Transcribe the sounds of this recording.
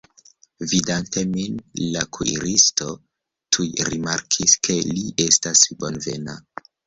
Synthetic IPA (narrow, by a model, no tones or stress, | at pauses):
vidante̞minlakʰuḭɾisto̞ | tʰujɾimaɾkʰiske̞liʔe̞stasbo̞nve̞̰na